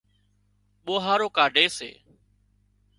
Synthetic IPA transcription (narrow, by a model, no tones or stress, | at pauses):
ɓoːɦaːɾoːkaːɖʱeːsḛː